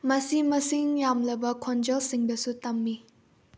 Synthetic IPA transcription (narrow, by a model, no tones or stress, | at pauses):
mɐsimɐsiŋjamlɐbɐkʰond͡ʒɐlsiŋd̪ɐsut̪ɐmːi